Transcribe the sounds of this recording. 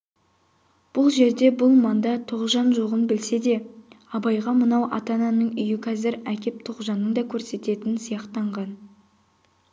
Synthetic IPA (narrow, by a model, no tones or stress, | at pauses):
b̥ʊlˠʒe̞ɾd̪e̞bʊlˠmɑnd̪ɑt̪ʰoʁʒɑnʒoʁənbɪlse̞d̪e̞ | ɑbɑjʁɑmənɑwʔɑ̰t̪ɑnɑnəɴʏjɪqʰɑzɪɾækʲe̞p̚t̪ʰoʁʒɑnːəɴd̪ɑkʲʰɵɾse̞t̪e̞t̪ɪnsəjɑqt̪ɑɴʁɑn